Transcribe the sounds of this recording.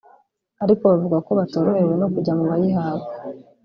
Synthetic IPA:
aɾiko̞βavuɡako̞βatoɾohewe̞no̞kuɟamuβajiɦaːβo

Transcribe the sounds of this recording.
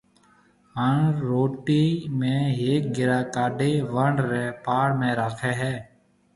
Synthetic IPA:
ɦəɳɾoːʈiːmẽːɦeːk̚ɡɪɾaːkaːɖeːʋəɳɖɾeːpaːɽmẽːɾaːkʰeːɦɛː

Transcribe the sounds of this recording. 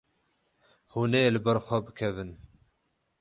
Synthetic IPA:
huːnelɨbɛɾxʷɛbɨkʰɛvɨn

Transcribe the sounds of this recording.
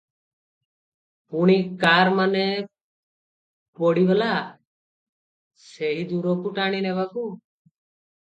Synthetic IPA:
puɽ̃ikaɾmanɛ | pɔɽibɛla | seɦid̪uɾɔkuʈaɽ̃inɛbaku

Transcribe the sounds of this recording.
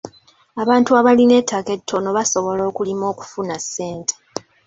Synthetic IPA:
aβaːntuaβaline̞tʰake̞tʰːo̞no̞βaso̞βo̞lo̞ːkulimo̞ːku̥funasːe̞ːntʰe

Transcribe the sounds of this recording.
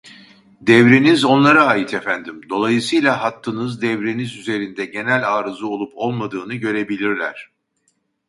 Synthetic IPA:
d̪ɛvɾinizo̞nlˠaɾaːjɯt̪ʰefænd̪imd̪o̞lˠajɯsɯjlʲˠaɦat̪ʰːɯnɯzd̪ɛvɾinizyze̞ɾind̪ɛɟe̞nælʲaːɾɯzɯo̞lˠupʰo̞lˠmad̪ɯːnɯɟø̞ɾe̞bilʲiɾlʲæɾ̝̥

